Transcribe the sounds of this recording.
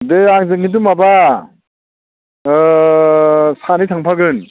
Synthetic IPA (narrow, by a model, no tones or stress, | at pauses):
deaŋzɯŋid̬umaba | sanitʰaŋpʰaɡɯn